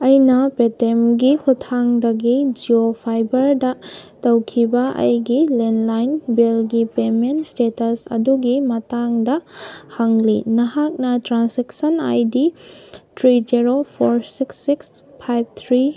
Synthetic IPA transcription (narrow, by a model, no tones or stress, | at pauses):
ɐjnɐpetemɡihutʰːaŋdɐɡid͡ʒiopʰajbɐɾdɐtɐwkʰibɐʔɐ̰jɡilenlajnbelɡipementstetɐsɐ̰duɡimɐtaŋdɐhɐŋlinɐɦak̚nɐtɾanseksɐna̰jditʰɾid͡ʒiɾopʰoɾsiksːiks | pʰajb̚t̪ʰɾi